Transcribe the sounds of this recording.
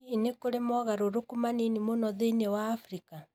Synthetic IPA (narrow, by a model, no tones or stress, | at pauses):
inekoɾemɔɣaɾoɾokumaninimonɔðeinewaːfɾika